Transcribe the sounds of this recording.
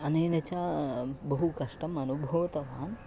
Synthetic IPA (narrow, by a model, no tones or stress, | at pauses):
ɐneːnɐt͡ʃaːbɐɦukɐʂʈɐmɐnubʱɐʋɐt̪ɐʋaːn